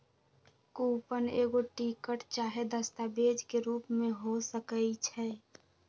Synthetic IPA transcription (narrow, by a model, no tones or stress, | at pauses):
kuːpəneːɡoʈikəʈt͡ʃaːɦed̪əst̪abed͡ʒkeɾuːpmẽɦosəkəit͡ʃʰɛ